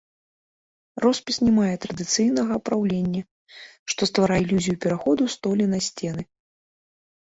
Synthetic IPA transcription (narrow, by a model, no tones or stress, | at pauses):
rɔspʲisnʲɛmajɛt̪ɾɐd̪ɨt̪sɨjn̪ɐɣɐpɾawlʲenʲːɐ | ʂt̪ɔst̪vaɾailʲuzʲijupʲɛɾaxɔd̪ust̪ɔlʲɛnɐsʲt͡sʲɛnɨ